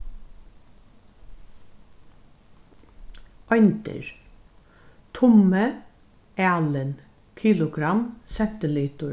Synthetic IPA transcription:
ʔɔjnt̪ɪ̰ɹ | t̪ʰʊmə | æːlən | kʰiːlʊɡɾamsɛnt̪əliːt̪ʊ

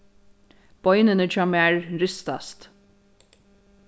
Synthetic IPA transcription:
b̥ɔjnənəd͡ʒɑmæɹɾʏst̪ast̪

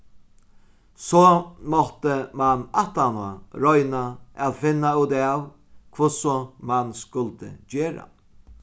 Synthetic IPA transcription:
sɔːmɔht̪əmanaht̪anʊɾɔjnaaðfɪnːauːd̪aw | kʰvʊsʊmanskʊlt̪ə̰d͡ʑeːɾa̰

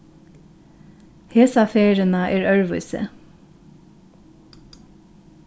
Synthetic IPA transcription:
heːsɑfeːɹənɑʔeːɹœɹʋʉʏsə̰

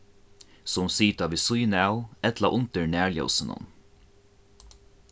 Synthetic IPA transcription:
sʊmsiːt̪aʋiːsʊjnɛʊɛt̪laʔʊnt̪əɹnæːɹljɔ̰wsɪnʊ̰n

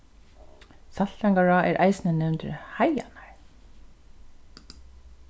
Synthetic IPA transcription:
saɬaŋkaɹaːʔɛɾʔa̰jsnənɛwnt̪ɪ̰ɾhaja̰naɹ

